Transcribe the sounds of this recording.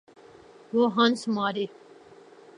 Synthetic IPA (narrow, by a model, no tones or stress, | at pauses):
ʋoːɦãnsmaːɾeː